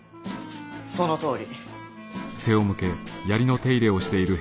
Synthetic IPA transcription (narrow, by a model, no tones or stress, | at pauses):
sonot̪o̞ːɾʲi | se̞o̞mɯ̟ke̞jaɾʲino̞t̪e̞iɾe̞o̞ɕi̥t̪e̞iɾɯ̟